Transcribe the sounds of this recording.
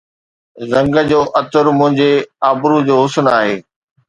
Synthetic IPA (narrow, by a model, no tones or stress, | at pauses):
zɐ̃ŋɡəd͡ʑoːʔɐt̪ʊɾmʊ̃ɦɪ̃ɲd͡ʑeaːbɾud͡ʑoːɦʊsənaːɦeː